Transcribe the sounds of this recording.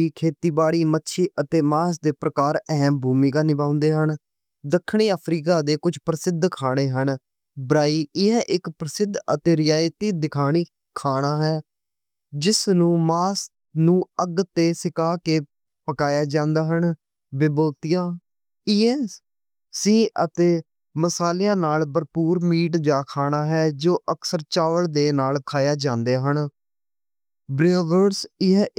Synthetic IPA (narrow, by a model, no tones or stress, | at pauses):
iːkʰeːt̪iːbaːɽiːmətːʃʰiːʔət̪eːmaːs̬d̪eːpɾəkaːɾɛɦmbʱuːmiːɡaːnɪbãːʊ̃nd̪eːɦən | d̪əkʰːɳ̃iːəːpʰɾiːkaːd̪eːkʊd͡ʒʰpɾəsɪd̪ʱkʰaːɽ̃eːɦən | bəɾaːiːɪɛ̃ːʔɪkpɾəsɪd̪ʱət̪eːɾɪjaːjt̪iːd̪ɪkʰaːɽ̃iː | kʰaːɽ̃aːɦɛː | d͡ʒɪsnũːmaːs | nũːəɡt̪ːeːsɪkaːkeː | pəkaːjaːd͡ʒãːnd̪aːɦən | bɪboːt̪ɪjãː | ɪeː | sĩːʔət̪eː | məsaːlejãːnaːlbəɾpuːɾmiːʈ̬d͡ʒaːkʰaːɽ̃aːɦɛːd͡ʒoːʔəksəɾt͡ʃaːʋəɭd̪eːnaːlkʰaːjaːd͡ʒãːnd̪eːɦən | bɾeoːʋəɾɾsɪɦ